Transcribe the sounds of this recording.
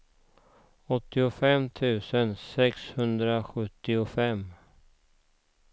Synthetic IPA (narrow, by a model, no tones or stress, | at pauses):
ɔt̪ːɪʊfɛmt̪ʰʉ̟ːsənsɛkshɵnd̪ɾaɧɵt̪ːɪʊfɛm